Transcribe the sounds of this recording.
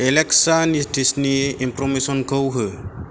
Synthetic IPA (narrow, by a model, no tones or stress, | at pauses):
eleksanisdisniimpɾɔmisɔnkəwɦɯ